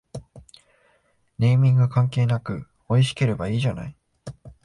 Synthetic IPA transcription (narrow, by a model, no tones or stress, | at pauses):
ne̞imʲĩŋɡɯ̟kãŋke̞ːnakɯ̟ | o̞iɕi̥ke̞ɾe̞baiːʑana̰i